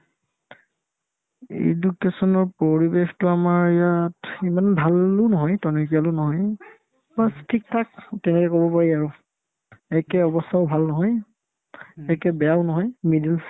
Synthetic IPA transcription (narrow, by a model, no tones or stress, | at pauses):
ḛdukesɔnɔɹpoɹibextʊamaɹijatimanbʱalʊnɔɦɔjtɔnɔkialʊnɔɦɔj | bastʰik̚tʰak̚tɛnɛkɛkobɔpaɹiaɹʊ | ɛkɛɔbɔstʰaʊbʱalnɔɦɔj | ɛkɛbɛaʊnɔɦɔjmidils